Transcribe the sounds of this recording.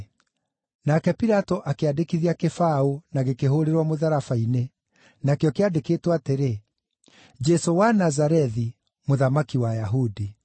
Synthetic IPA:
nakɛpiɾatɔʔakeadekiðiakefaonaɣekeɦoɾeɾwamoðaɾafaine | nakeɔkeadekeːtwateɾe | d͡ʒɛsowanazaɾɛði | moðamakiwajaɦudi

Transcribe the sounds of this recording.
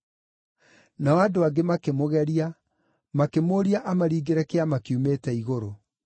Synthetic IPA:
nawadoaɡemakemoɣɛɾia | makemoːɾiaʔamaɾiːɡeɾɛkeamakiumeːtɛiɣoɾo

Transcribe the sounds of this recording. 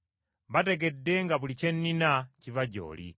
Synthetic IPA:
βatɛɡɛdɛŋɡapulit͡ʃɛnːinat͡ʃivaɟɔ̰ːlḭ

